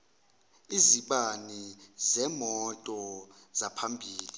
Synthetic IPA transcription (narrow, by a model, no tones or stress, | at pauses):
iziɓanizɛmɔtʼɔzapʰambʱiːli